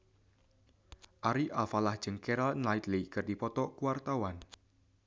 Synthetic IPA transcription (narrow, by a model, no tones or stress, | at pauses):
ʔaɾiʔalfalahd̥ʒ̥ɨŋkɛɾalnajt̪likɨrd̥ipɔt̪ɔkuwart̪awan